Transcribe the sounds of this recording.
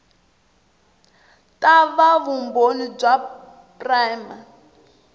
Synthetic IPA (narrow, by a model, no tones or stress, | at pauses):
tʼaβaβumbonib͡ʐwa | pʼrajma